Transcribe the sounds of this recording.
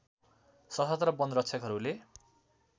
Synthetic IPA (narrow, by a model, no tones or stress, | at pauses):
sʌɦʌt̪rʌbʌnd̪rʌtt͡sʰʌkɦʌɾule